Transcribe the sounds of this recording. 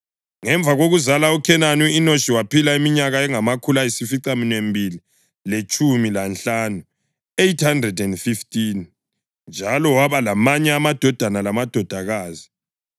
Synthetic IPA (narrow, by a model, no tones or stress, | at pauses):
ŋɛɱb̪vʱaɣoɣuzalaukʰɛnaniːnoʃiwapilaimiɲaɣaɛŋamakʰulaesifiǀaminembʱili | let͡ʃʼumilanɬaːnu | ejtʰhandrɛdɛndfiftʼin | nd͡ʒʱalɔwaβalamaɲɛamad̥ʱɔd̥ʱanalamad̥ʱɔd̥ʱaɣaːzi